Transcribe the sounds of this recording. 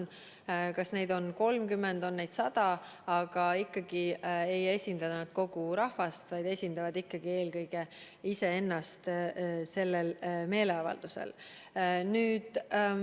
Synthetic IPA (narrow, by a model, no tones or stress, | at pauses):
n | kɑsne̞jd̪̥o̞nko̞lmkymːend̪o̞nːe̞jd̪̥sɑd̪̥ɑ | ɑɡ̥ɑikːɑɡ̥ie̞je̞sʲind̪̥ɑnɑd̪̥ko̞ɡ̥uɾɑhvɑst̪vɑjd̪̥e̞sʲind̪̥ɑvɑd̪̥ikːɑɡ̥ie̞ːlkɤjɡ̥e̞ | ise̞e̞nːɑst̪se̞lːelme̞ːle̞ɑvɑ̰ld̪̥usḛl | nyːd̪̥